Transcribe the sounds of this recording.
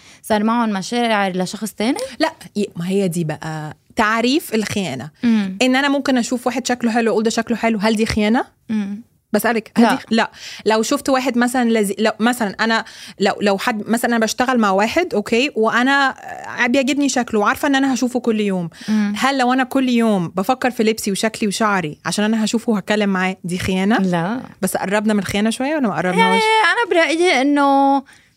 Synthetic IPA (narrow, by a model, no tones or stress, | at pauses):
sˤɑɾˤmaʕonmæʃæːʕʕeɾleʃɑxsˤt̪æːnilæʔemæhejːæd̪iːbæʔæt̪aʕɾiːfelxejæːnæʔenːʔænæmomkenʔæʃuːfwæːħed̪ʃæklħelwʔuːld̪æʃæklħelwɦæld̪iːxejæːnæ | bæʔæsʔælækhælilæʔlæwʃoft̪wæːħed̪mæsælænlæzilæwmæsælænʔænælæwlæwħad̪ːmæsælænʔænæbæʃt̪æɣælmaʕwaːħed̪ʔokʰeːweʔænæʕbjæʕɡebniʃæklweʕɑɾˤfɑʔenːʔænæhæʃuːfukolːjoːmhælːæwʔænækolːjoːmbæfækːeɾˤfilebsiwʃækliweʃɑʕɾiʕa̰ʃæːnʔænæɦæʃuːfuwhæt̚kælːemːaʕaːd̪iːxejæːnælbæsːʔɑ̰rˤːɑbnæmenelxejæːnæʃowæjːæwælːæmæʔɑ̰rˤːɑbnæːʃʔænæbeɾˤɑʔjʔenːo